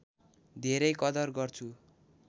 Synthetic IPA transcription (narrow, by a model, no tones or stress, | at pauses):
d̪ʱeɾʌjkʌd̪ʌrɡʌrt͡sʰu